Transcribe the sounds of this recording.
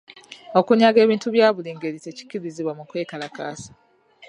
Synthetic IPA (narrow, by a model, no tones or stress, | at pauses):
o̞kuɲaɡe̞ːβiːntuβjaːβuliːŋɡeɾite̞ci̥ciɾiziβwamukweːkalakaːsḁ